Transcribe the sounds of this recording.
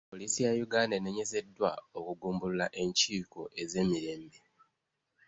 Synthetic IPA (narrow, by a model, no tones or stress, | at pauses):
poliːsijajuɡaːndeneɲe̞ze̞dːwao̞kuɡuːmbululaʔe̞ɲciːko̞ʔe̞ze̞ːmiɾe̞ːmbe̞